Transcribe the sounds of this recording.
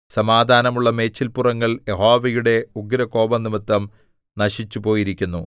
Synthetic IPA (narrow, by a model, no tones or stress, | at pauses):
sɐmaːd̪ʱaːnɐmuɭːɐme̞ːt͡ɕːilpurɐŋːɐɭjeɦo̞ːʋejuɽe̞uɡɾɐko̞ːbɐnːimɐt̪ːɐm | nɐɕit͡ɕːupo̞ːjiɾikʲːunːu